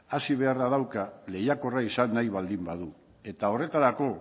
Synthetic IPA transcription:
asiβ̞e̞araðawkale̞jako̞raisanːajβald̪imbaðu | e̞t̪ao̞re̞t̪aɾako̞

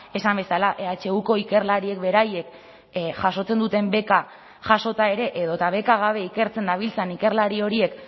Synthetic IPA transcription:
e̞sambe̞salaʔeat͡ʃe̞uko̞ike̞ɾlaɾie̞k̚be̞ɾaje̞k | ʝaso̞t͡se̞nd̪ut̪e̞mbe̞ka | ʝaso̞t̪ae̞ɾe̞ʔeðo̞t̪aβ̞e̞kaɣ̞aβ̞e̞ike̞ɾt͡se̞nd̪aβ̞ilt͡senike̞ɾlaɾio̞ɾie̞k

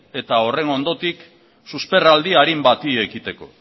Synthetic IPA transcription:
e̞t̪ao̞re̞no̞nd̪o̞t̪ik | suspe̞rald̪iaɾimbat̪ie̞kit̪e̞ko̞

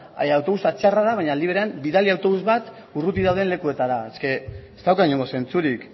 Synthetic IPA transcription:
awt̪o̞βust̪at͡ʃearaðaβaɲaːld̪iβɾeambiðaliawt̪o̞βuzβat̪ | urut̪iðawð̞enle̞kue̞t̪aɾaeske̞ː | st̪awkaɣiɲoŋɡo̞se̞nt͡suɾik

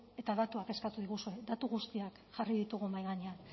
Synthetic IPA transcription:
e̞t̪aðat̪uake̞skat̪uð̞iɣusued̪at̪uɣust̪iak | ʝariðit̪uɣ̞umajɣaɲean

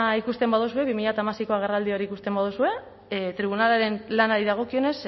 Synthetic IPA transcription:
ikust̪e̞mbaðusue̞βimiʎat̪amasiko̞aɣ̞e̞rald̪io̞ɾikust̪e̞mbað̞usue̞ | t̪ɾiβ̞unalaɾe̞nlanaɾiðaɣ̞o̞kio̞ne̞s

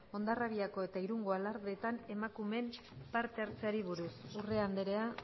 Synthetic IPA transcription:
o̞nd̪araβiako̞e̞t̪aiɾuŋɡo̞alaɾðet̪ane̞makume̞m | paɾt̪e̞aɾt͡seaɾiβ̞uɾusure̞and̪eɾe̞a

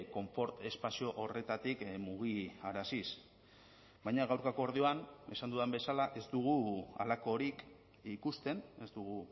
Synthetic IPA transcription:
ko̞ɱfo̞ɾt̪e̞spasio̞ʔore̞t̪at̪ikmuɣ̞iaɾasis | bajɲaɣawɾkakoːɾðio̞ane̞sand̪uðembe̞salaʔe̞zd̪uɣ̞ua̰lako̞ɾik | ikust̪e̞ne̞zd̪uɣu

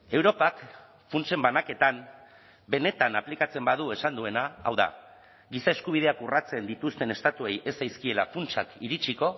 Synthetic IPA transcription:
e̞wɾo̞pak | funt͡ʃe̞mbanake̞t̪am | be̞ne̞t̪anaplikat͡se̞mbað̞ue̞sand̪ue̞na̰ːwða̰ | ɡisae̞skuβ̞ið̞e̞akurat͡se̞nd̪it̪ust̪e̞ne̞st̪at̪ue̞je̞sajskie̞lafunt͡ʃakiɾit͡ʃiko̞

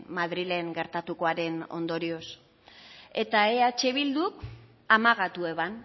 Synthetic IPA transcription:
maðɾile̞ŋɡe̞ɾt̪at̪uko̞aɾe̞no̞̰nd̪o̞ɾio̞s | e̞t̪aeat͡ʃe̞βild̪uk | amaɣat̪ue̞βan

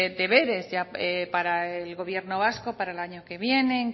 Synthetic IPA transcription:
d̪e̞β̞e̞ɾe̞zʝaepaɾaelɣo̞βje̞ɾno̞βasko̞paɾaelaɲo̞ke̞βje̞neŋ

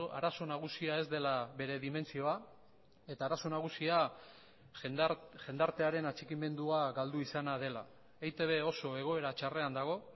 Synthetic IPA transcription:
aɾaso̞naɣ̞usiae̞zd̪e̞laβe̞ɾe̞ðime̞nt͡sio̞a | e̞t̪aːɾaso̞naɣ̞usia | ʝe̞nd̪aɾt̪e̞aɾe̞nat͡ʃikime̞nd̪uaɣald̪uisanað̞e̞la̰ | ejt̪eβe̞o̞so̞e̞ɣ̞o̞e̞ɾat͡ʃare̞and̪aɣ̞o̞

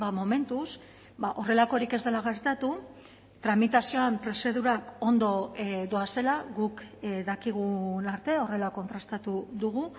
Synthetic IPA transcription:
bamo̞me̞nt̪us | baʔo̞re̞lako̞ɾike̞zd̪e̞laɣ̞e̞ɾt̪at̪u | t̪ɾamit̪asio̞ampɾe̞se̞ðuɾako̞nd̪o̞d̪o̞ase̞laɣukðakiɣ̞unaɾt̪e̞o̞re̞lako̞nt̪ɾast̪at̪uðuɣ̞u

